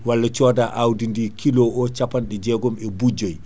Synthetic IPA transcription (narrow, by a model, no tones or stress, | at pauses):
walːat͡ʃɔːdaːʔawdindikʰilɔʔɔt͡ʃapanɗɛd͡ʒɛɡɔmɛbud͡ʒaj